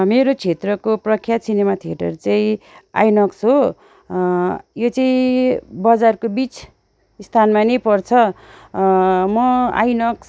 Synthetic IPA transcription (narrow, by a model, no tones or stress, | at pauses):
meɾot͡sʰet̪rʌkoprʌkʰjasinemat̪ʰijeʈʌ̰rt͡saĩa̰jnʌksɦo | jot͡saĩbʌd͡zarkobit͡s | st̪ʰanmanʌjpʌrt͡sʰʌ | mʌa̰jnʌks